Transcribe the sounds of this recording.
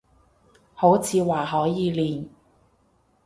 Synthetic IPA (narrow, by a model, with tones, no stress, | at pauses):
ho˨˥wt͡sʰiː˨˧waː˨˩ɦɔː˨˥jiː˨˧liː˨˩n